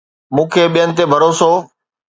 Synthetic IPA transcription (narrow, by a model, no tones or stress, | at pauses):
mũːkʰeːɓijənɪt̪eːbʱəɾoːsoː